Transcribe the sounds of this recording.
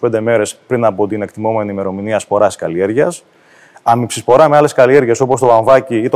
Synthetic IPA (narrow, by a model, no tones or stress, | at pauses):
ped̪e̞me̞ɾe̞spɾinɐpo̞t̪ine̞kt̪imo̞me̞niːme̞ɾo̞miniɐspo̞ɾɐi̥skɐlie̞ɾʝɐs | ɐmipsispo̞ɾɐme̞ɐle̞skɐlie̞ɾʝe̞so̞po̞st̪o̞ɐɱvɐciit̪o